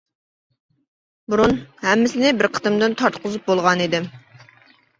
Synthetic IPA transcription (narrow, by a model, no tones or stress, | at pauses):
buɾunhɛmːɪsɪnɪbɪɾqʰə̥t̪ɨmd̪ɨnt̪ʰɑɾt̪qʰʊzup̚bolˠʁɑnid̪ɪm